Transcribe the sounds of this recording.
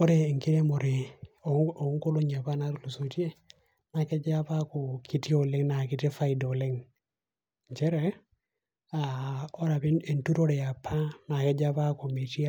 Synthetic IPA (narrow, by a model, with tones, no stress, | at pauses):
o˦ɾe˨ŋki˦ɾe˦mo˨ɾe˨o˨o˨˦ŋko˦lo˦ɲa˨pa˦na˦ɾlo˨so˨ti˦e˦ | na˨ke˦d͡ʒa˦pa˦ko˨ki˦ti˦o˨le˦ŋna˨ki˨te˦fa˦i˨do˨le˦ŋ | d͡ʒɛ˦ɾɛ˨ | a˨o˦ɾa˨pi˦e˨ntu˦ɾo˦ɾɛ˨a˨pʰːa˦na˨kɛ˦d͡ʒa˦pa˦ko˨mi˨ti˦a˦